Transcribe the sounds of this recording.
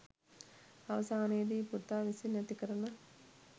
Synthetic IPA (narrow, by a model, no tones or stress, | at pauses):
ɐʋɐsaːnejːd̪iːpuɾt̪aːʋisinɐt̪ikɐɾɐnɐ